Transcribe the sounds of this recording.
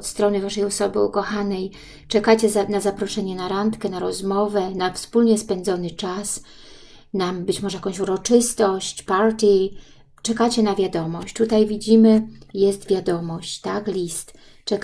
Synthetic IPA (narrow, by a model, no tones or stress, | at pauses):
ɔt̪st̪ɾɔnɘvaʂɛjɔsɔbɘukɔxanɛj | t͡ʂɛkat͡ɕɛzanazapɾɔʂɛɲɛnaɾant̪kɛnaɾɔzmɔvɛnafspulɲɛspɛnd̪zɔnɘt͡ʂas | nambɘt͡ɕmɔʐɛjakɔ̃ɕuɾɔt͡ʂɘst̪ɔɕt͡ɕpaɾt̪ʲi | t͡ʂɛkat͡ɕɛnavʲjad̪ɔmɔɕt͡ɕt̪ut̪ajvʲid͡ʑimɘjɛst̪vʲjad̪ɔmɔɕt͡ɕt̪aklʲist̪ | t͡ʂɛk